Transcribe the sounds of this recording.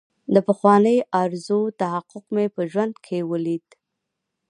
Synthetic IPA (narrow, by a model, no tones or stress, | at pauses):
d̪əpəxwɑnəjʔaɾzot̪aɦaqʊqmepəʒwand̪kʰewəlid̪̥